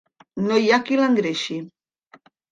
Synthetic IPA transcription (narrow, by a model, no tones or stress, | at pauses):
nojakilaŋɡɾeʃi